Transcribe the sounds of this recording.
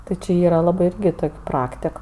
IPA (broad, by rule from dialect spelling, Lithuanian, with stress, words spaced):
ˈtʲɪ t͡ʃʲɪ ˈiːrɐ ˈlˠɑːbɜ ˈɪrʲɡʲɪ ˈtoːkʲ ˈprɑːktʲɪk